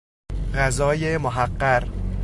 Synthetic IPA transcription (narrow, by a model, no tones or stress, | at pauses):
ɣæzɒːjemoɦæqːæɾ